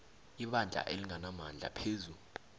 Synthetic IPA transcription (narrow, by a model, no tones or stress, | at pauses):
iɓand͡ɮʱa̰ʔeliŋanamand͡ɮʱa̰pʰeːzu